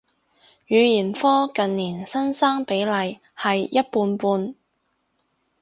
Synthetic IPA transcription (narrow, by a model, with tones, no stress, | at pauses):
jyː˨˧jiː˨˩nfɔː˥kɐ˨nːiː˨˩nsɐ˥nsaː˥ŋpe˨˥jlɐ˨j | hɐ˨jjɐ˥t̚puː˧npuː˧n